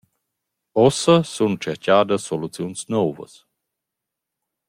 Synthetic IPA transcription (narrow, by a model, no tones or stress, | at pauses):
ɔsəsunt͡ʃɛɾcaːd̪əsːolut͡sjunsnɔvə̰s